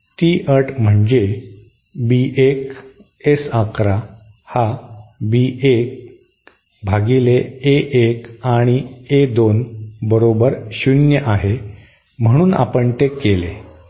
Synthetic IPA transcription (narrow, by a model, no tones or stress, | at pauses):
t̪iːʔəʈʰm̤əɳd͡ʑe | biʔek | esakɾa | habiʔek̚ | bʱaɡileeʔekaɽ̃ied̪onbəɾobəɾɕunjəʔaɦe | m̤əɽ̃uːna̰pəɳt̪ekːele